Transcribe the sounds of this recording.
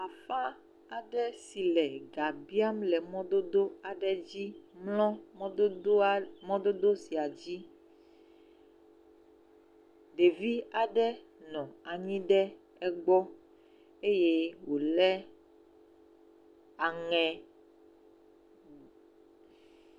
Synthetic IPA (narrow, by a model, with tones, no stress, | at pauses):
a˨fa˦ | a˨ɖɛ˦si˨lɛ˨ɡa˨bi˦a˦mlɛ˨mɔ̃˦d̪o˦d̪o˦a˨ɖɛ˦d͡ʑi˦mlɔ̃˦ | mɔ̃˦d̪o˦d̪o˦si˨a˨d͡ʑi˦ | ɖe˨vi˦a˨ɖɛ˦ | nɔ̃˨a˨ɲĩ˦ɖɛ˦ | ɛ˦ɡ͡bɔ˦ | e˦je˦wo˨lɛ˦ | a˨ŋɛ̃˨